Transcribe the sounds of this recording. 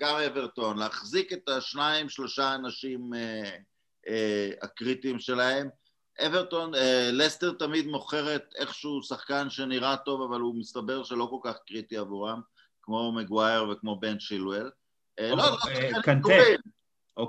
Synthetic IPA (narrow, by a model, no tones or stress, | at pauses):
ɡameveʁt̪o̞nleaχzike̞t̪aʃnaimʃlo̞ʃaːnaʃime | ea̰kʁitimʃe̞lae̞m | ʔeveʁt̪o̞nelest̪eʁt̪amid̪mo̞χe̞ʁet̪e̞χʃeusaχkanʃeniʁato̞vavalumist̪abe̞ʁʃe̞lo̞ko̞lkaχkʁit̪iavuʁam | kmo̞meɡwaeʁvekmo̞be̞nʃilwel | looakil